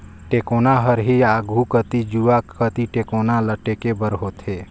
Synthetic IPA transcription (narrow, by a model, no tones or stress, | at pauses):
ʈekonaɦəɾɦiaːɡʱukət̪id͡ʒuaət̪iʈekoːnaləʈekebəɾɦot̪ʰeː